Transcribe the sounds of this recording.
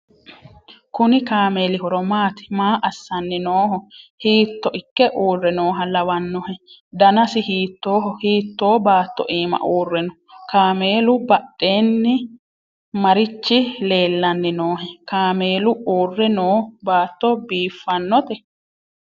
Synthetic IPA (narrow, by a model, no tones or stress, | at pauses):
kʊnɪkaːme̞ːlɪɦɔɾɔmaːt̪ɪ̥maːʔɐsːɐnːɪnoːɦɔhiːt̪ːɔʔɪkːɛʔuːrːɛnoːɦɐlɐwɐnːɔhɛ | d̪ɐnɐsɪhiːt̪ːo̞ːɦɔhiːt̪ːoːbaːt̪ːɔ̰ʔiːmɐ̰ʔuːrːɛnɔ | kaːme̞ːlʊbɐɗːe̞ːnːɪ | mɐɾɪt͡ʃːɪle̞ːlːɐnːɪnoːɦɛkaːme̞ːlʊuːrːɛnoːbaːt̪ːɔbiːfːɐnːɔt̪ɛ